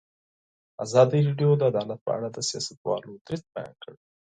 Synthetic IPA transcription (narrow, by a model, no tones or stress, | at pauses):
azɑd̪iɾeɖjod̪əad̪ɑlat̪̚pə̰ʔa̰ɽad̪əsijɑ̰sat̪wɑ̰lod̪ɾɪs̚bajɑ̰nkəɽi